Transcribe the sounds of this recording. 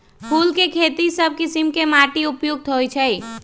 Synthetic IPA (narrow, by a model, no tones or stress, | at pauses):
pʰulkekʰet̪isəb̚ʱkisimkemaʈiupjuɡ̚t̪ɦojt͡ʃʰɛ